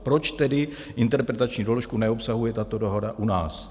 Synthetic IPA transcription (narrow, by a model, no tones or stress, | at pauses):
pɾo̞t͡ʃt̪ɛdɪ | ʔɪnt̪ɛɾpɾɛt̪at͡ʃɲidoloʃkunɛopsaɦujɛt̪at̪o̞do̞ɦodaʔunaːs